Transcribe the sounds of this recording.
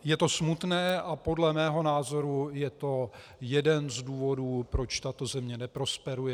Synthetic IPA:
jɛt̪o̞smut̪nɛːʔapo̞dlɛmɛːɦo̞naːzo̞ɾujɛt̪o̞ | jɛdɛnzduːvo̞duːpɾo̞t͡ʃt̪at̪o̞zɛmɲɛnɛpɾo̞spɛɾujɛ

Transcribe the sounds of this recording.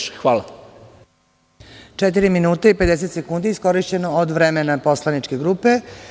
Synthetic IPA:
xʋaːla | t͡ʂet̪̬iɾiminuːt̪aipe̞d̪es̬e̞t̪se̞kund̪iisko̞ɾiʃt͡ɕe̞no̞od̪ʋɾemenapo̞slˠanit͡ʂke̞ɡɾuːpe̞

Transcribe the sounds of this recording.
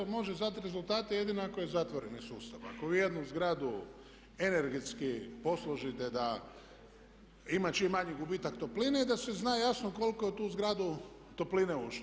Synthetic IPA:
mo̞ʒezat̪ɾe̞zult̪aːt̪eje̞d̪inoakojezat̪ʋoɾenisuːst̪aʋa̰ko̞ʋiːje̞d̪nuzɡɾaːd̪u | e̞neɾɡet̪skipo̞slˠoʒit̪ed̪a | imat͡ʃimaɲiɡubiːt̪akt̪o̞plineid̪aseznaːjasnoko̞lkojet̪uːzɡɾaːd̪u | t̪o̞plineuʃ

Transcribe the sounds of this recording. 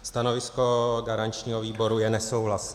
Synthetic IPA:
st̪ano̞vɪsko̞ɡaɾaɲt͡ʃɲiːɦoviːbo̞ɾujɛnɛso̞wɦlas

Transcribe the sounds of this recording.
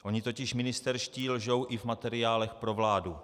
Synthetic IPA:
ʔo̞ɲɪt̪o̞cɪʃmɪnɪst̪ɛɾʃciːlʒo̞wʔɪvmat̪ɛɾɪaːlɛxpɾo̞vlaːdu

